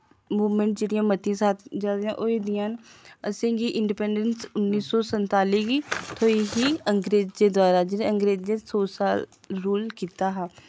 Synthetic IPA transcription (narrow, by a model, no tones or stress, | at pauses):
muːʋmə̃ɳʈ̚d͡ʒeːɽijãːmət̪ijãːsaːt̪d͡ʒaːd̪eãːʔoːeːd̪ɪjãːnəsẽːɡiːʔɪɳɖipɛːɳɖənsʊnːiːsɔːsənt̪aːliːɡiːt̪ʰoːiɦiːəŋɡɾeːd͡ʒd̪eːd̪waːɾaːd͡ʒeːɾeəŋɡɾeːzd͡ʒeːsoːsaːl | ɾuːlkiːt̪aːɦaː